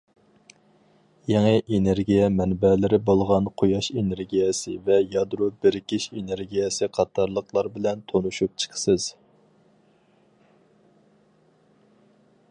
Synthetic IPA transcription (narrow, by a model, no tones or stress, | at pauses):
jɛŋɨʔeneɾɡʲijɛmɛnbɛlɪɾɪbolˠʁɑnqʰojɑʃeneɾɡʲijɛsɪ̰vɛjɑd̪ɾobɪɾɪkʲiʃeneɾɡʲijɛsɨqʰɑt̪ʰɑɾlˠəqlˠɑɾbɪlɛnt̪ʰonuʃup̚t͡ʃʰə̥qʰə̥sɨz̥